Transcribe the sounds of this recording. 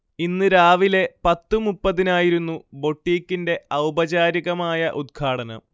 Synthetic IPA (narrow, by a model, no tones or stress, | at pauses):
inːɨɾaːʋile̞pɐt̪ːɨmupːɐðinaːjiɾunːubo̞ʈːiːkːinde̞ɐwbɐd͡ʑaːɾiɣɐmaːjɐʔud̪̚ɡʰʱaːɽɐnɐ̰m